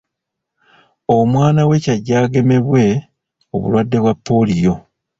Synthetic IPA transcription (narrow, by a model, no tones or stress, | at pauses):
o̞mwaːnawe̞caɟːaːɡe̞me̞βwe̞ | oβṵlwadːe̞βwapːo̞lijo̞